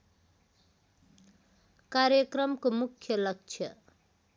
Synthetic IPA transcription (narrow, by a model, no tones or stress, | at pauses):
kaɾjʌkrʌmkomukʰjʌlʌk̚t͡ʃʰʌ